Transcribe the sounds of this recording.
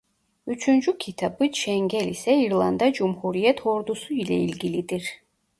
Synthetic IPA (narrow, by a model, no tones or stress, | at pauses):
yt͡ʃʰynd͡ʒycʲʰit̪ʰabɯʃɛŋɡɛlisɛiɾlˠand̪ɑd͡ʒumhuɾijɛt̪ʰoɾd̪usuilɛ̰ilʲɡʲilid̪iɾ